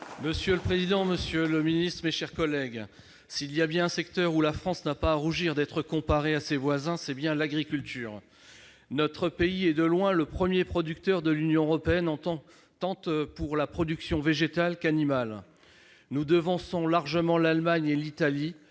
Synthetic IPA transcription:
məsjøləpχezid̪ɑ̃məsjøləminist̪χəmeʃɛʁkɔlɛɡ | siljabjɛ̃ɛ̃sɛkt̪œʁulafχɑ̃snapaːʁuʒiʁd̪ɛt̪χəkɔ̃paʁeasevwazɛ̃sɛbjɛ̃laɡʁikʲylt̪ʰyːʁ | nɔt̪χəpeiɛd̪əlwɛ̃ləpχəmjepχɔd̪yk̚t̪œʁd̪əlynjɔ̃əʁɔpeɛnɑ̃t̪ɑ̃ | t̪ɑ̃tpuʁlapχɔd̪yksjɔ̃veʒet̪alkanimal | nud̪əvɑ̃sɔ̃laʁʒəmɑ̃lalmaɲelit̪ali

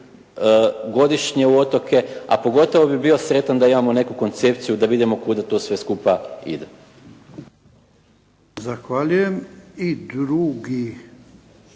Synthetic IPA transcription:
ɡo̞d̪iʃɲe̞uo̞t̪o̞kʰe̞a̰po̞ɡo̞t̪o̞ʋo̞bibio̞sɾe̞t̪and̪aimamo̞ne̞kuko̞nt̪se̞pt̪sijud̪aʋid̪imo̞kud̪at̪o̞ːsʋe̞skupaḭd̪e | zaxʋaʎujemid̪ɾuɡi

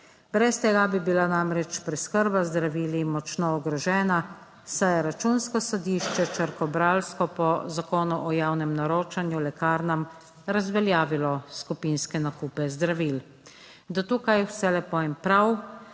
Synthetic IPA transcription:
bɾɛst̪ɛɡabibilanamɾɛt͡ʃpɾɛskəɾbazd̪ɾaʋiːlimɔt͡ʃnɔɔɡɾɔʒɛːna | sajɛɾat͡ʃunskɔsɔd̪iːʃt͡ʃɛt͡ʃəɾkɔbɾaːlskɔpɔzakoːnuʔɔjawnɛmnaɾoːt͡ʃanjulɛkaːɾnam | ɾazʋɛljaːʋilɔskupinskɛnakuːpɛzd̪ɾaʋiːl | d̪ɔt̪uːkajwsɛlɛpɔempɾaw

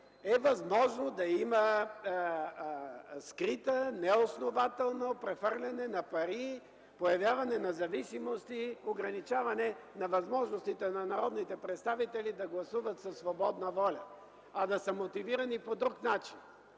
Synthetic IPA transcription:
ɛvɐzmɔʒnod̪ɐimə | skɾit̪ənɛosnovat̪ɛlˠnopɾɛfəɾlʲɐnɛnɐpɐɾi | pojɐvʲjavɐnɛnɐzɐvisimost̪ioɡɾɐnit͡ʃavɐnɛnɐvɐzmɔʒnost̪it̪ɛnɐnɐɾɔd̪nit̪ɛpɾɛt̪st̪avit̪ɛlid̪ɐɡlˠɐsuvət̪sɐsvobɔd̪nəvɔlʲɐ | ɐd̪ɐsɐmot̪iviɾɐnipod̪ɾuknat͡ʃin

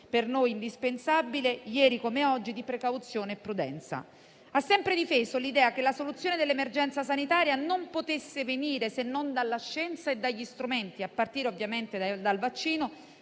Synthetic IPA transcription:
pernojind̪ispensabilejɛːɾikomeɔd͡ʒːid̪ipɾekawt̪sjoːneːpːɾud̪ɛ̰nt̪sa̰ | asːɛmpɾed̪ifeːzolid̪ɛːakelːasolut̪sːjoːned̪elːemerd͡ʒɛnt̪sasanit̪aːɾjanompot̪esːeveniːɾesenːond̪alːaʃːɛnt̪saed̪ːaʎːist̪ɾument̪iapːart̪iːɾeovːjament̪ed̪alvat͡ʃːiːno

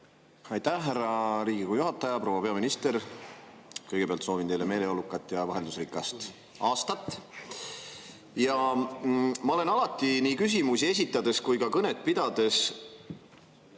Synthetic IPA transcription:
ɑjt̪æhɦærːɑɾiːɡikujuɦɑt̪ːˑɑjɑpro̞ːwɑpe̞ɑminist̪e̞ɾ | kɤjɡ̥epeɑlt̪so̞ːvint̪e̞jle̞me̞ːle̞olukːˑɑt̪ːˑjɑvɑɦend̪usrikːˑɑst̪ | ɑːst̪ɑt̪ːˑ | jɑ | mɑo̞le̞nɑlɑt̪ːˑiniːkys̬ʲimusie̞s̬ʲit̪ːˑɑd̪̥e̞skujkɑkɤnet̪̚ˑpid̪̥ɑd̪̥e̞s

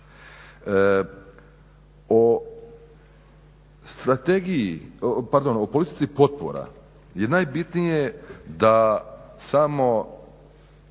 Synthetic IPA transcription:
o | st̪ɾat̪eɡijipaɾd̪o̞nopolit̪it̪sipo̞t̪̚po̰ɾa̰ | jenaːjbit̪nijed̪asamo̞

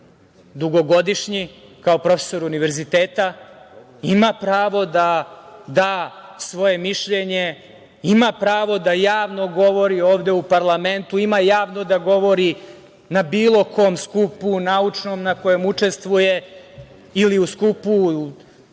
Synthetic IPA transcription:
d̪uɡo̞ɡo̞d̪iʃɲikaopɾo̞feso̞ɾuniʋe̞ɾzit̪eːt̪a | imapɾaːʋo̞d̪ad̪aːsʋo̞je̞miʃʎeɲe̞ | imapɾaːʋo̞d̪ajaːʋno̞ɡo̞ʋo̞ɾioːʋd̪e̞upaɾlˠame̞nt̪uimajaːʋnod̪aɡo̞ʋo̞ɾi | nabiːlˠo̞kʰomskupunaut͡ʂno̞mnako̞jomut͡ʂe̞st̪ʋuje | iliuskupu

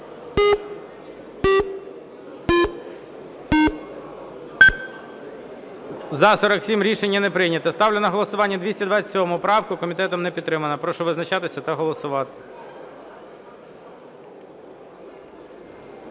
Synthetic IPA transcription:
zɐsɔɾɐksʲimɾʲiʃenʲːɐnɛpɾɪjnʲɐt̪ɐst̪ɑwlʲenɐɦɔlˠɔsʊʋɑnʲːɐd̪ʋʲisʲtʲɐd̪ʋɑsʲsʲɔɔmʊpɾɑwkʊkɔmʲit̪ɛt̪ɔmnɛpʲid̪t̪t̪ːɾɪmɐnɐpɾɔʃɔʋɪznɐt͡ʃɑt̪ɪsʲɐt̪ɐɦɔlˠɔsʊʋɑt̪ɪɪ̥

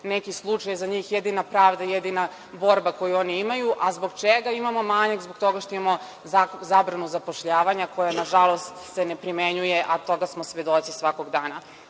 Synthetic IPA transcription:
nekislˠut͡ʂajzaɲiːxjed̪inapɾaːʋd̪ajed̪ina | bo̞ɾbako̞juo̞niimajuʔazbo̞ɡt͡ʃeɡaimamo̞maːɲaɡzboɡ̚t̪o̞ɡaʃt̪oimamo | azaːbɾanuzapo̞ʃʎaːʋaɲako̞janaʒalˠo̞st̪senepɾimeɲujeʔat̪o̞ɡasmosʋe̞d̪o̞t̪sisʋakoɡd̪aːna

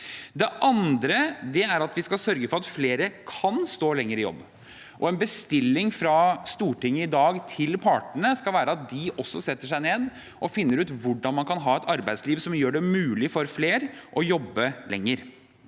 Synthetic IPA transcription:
d̪ɛʔɑnd̪ɾəd̪ɛæɾɑt̪ʋɪskɑlsœɾɡəfɔɾɑt̪fleːɾəkʰɑnst̪oːlɛŋːəɾɪjɔ̰bː | ʔɔɛnbəst̪ɪlːɪŋfɾɑst̪uːʈɪŋːəɪd̪ɑːɡt̪ʰɪlpʰɑːʈəɳəskɑlʋæːɾəɑt̪̚d̪ɪʔɔsːɔsɛt̪ːəʂæɪneːd̪ | ʔɔfɪnːəɾʉːt̪ʋʊɖɑnmɑnkʰɑnɦɑːɛt̪ʰɑɾbæɪd̪sliːʋsɔmjøːɖɛmʉːlɪfɔɾfleːɾʔɔjɔbːəlɛ̰ŋːəɾ

